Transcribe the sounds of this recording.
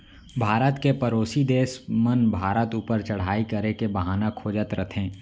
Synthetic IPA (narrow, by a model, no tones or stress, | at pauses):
bʱaːɾət̪kepɐɾoːsid̪eːsmənbʱaːɾət̪uːpəɾt͡ʃɐɽ̤aːikɐɾekebɐɦaːnakʰoːd͡ʒət̪ɾət̪ʰẽː